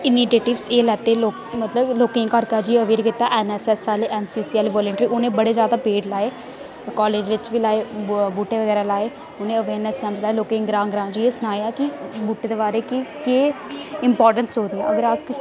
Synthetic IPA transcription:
ɪniːʈeːʈɪʋseːlɛːt̪eːloː | mət̪ləbloːkɪ̃ːŋɡkəɾkaːd͡ʒiːəʋeːɾkɪt̪aːʔɛːnɛːsɛːsaːleʔɛːnsiːsiːɛːlːʋɔːləɳʈɾiːʊnẽːbəɽeːzjaːd̪aːpeːɖlaːeː | kɔːleːd͡ʒʋɪt͡ʃʋiːlaːeːbuːʈːeːʋəɡɛːɾaːlaːeː | ʊnẽːəʋeːɾnəskɛːmslaːeːloːkẽːŋɡɾãːŋɡɾãːd͡ʒiːeːsʊnaːaːkɪbuːʈeːd̪eːbaːɾeːkɪkeː | ɪmpɔːɾʈənsɦoːd̪iã̰əɡəɾaːk

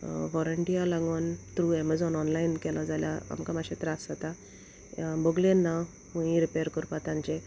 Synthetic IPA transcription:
ʋɔɾəɳʈijalãŋɡɔnt̪ɾuɛmad͡zɔnɔnlajinkɛlad͡zalja̰a̰mkamaɕet̪ɾasat̪a | bəɡlenːa | ũĩɾipeɾkəɾpat̪ãɲt͡ɕẽ

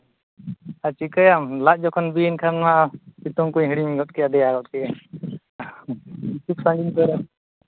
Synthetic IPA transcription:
at͡ʃikəjamlac̚d͡ʒɔkʰɔnbinkʰamnaʔapit̪ɔŋkuɲɦiɽiɲɡɔt̪̚kɛjad̪ɛjaɡɔt̪̚kɛɛ | t͡ʃʰik̚sãŋɡinpɔɾa

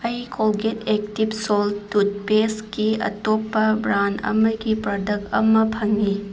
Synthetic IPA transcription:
ɐjkʰolɡetek̚tibsoltut̚peskiɐ̰topːɐbɾandɐ̰mɐɡipɾɐdɐkɐ̰mɐpʰɐŋi

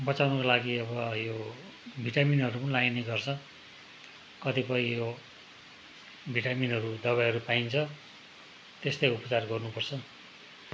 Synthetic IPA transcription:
bʌt͡sawnʌkolaɡiʌbʌjo | bʱiʈaminɦʌɾupʌnilajnʌjɡʌrt͡sʰʌ | kʌt̪ipʌĩjo | bʱiʈaminɦʌɾud̪ʌβajɦʌɾupaint͡sʰʌ | t̪est̪ʌjupʌ̥t͡sarɡʌrnupʌrt͡sʰʌ

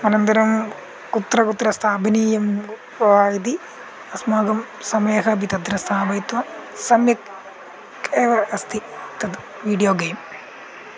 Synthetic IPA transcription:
ɐnɐnt̪ɐɾɐm | kut̪ːɾɐkut̪ːɾɐst̪ʰaːbɐniːjɐm | ɐʋaːjid̪̬i | ɐsmaːɡɐm | sɐmeːɦɐbit̪ɐd̪ɾɐst̪ʰaːbɐjt̪ʋɐsɐmjɐk | eːʋɐɐst̪ʰit̪ɐd̪ | ʋiːɖijoːɡeːm

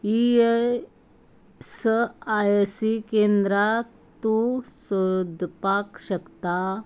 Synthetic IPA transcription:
ie | səajsikend̪ɾa | t̪usud̪ʱpakɕəkt̪a

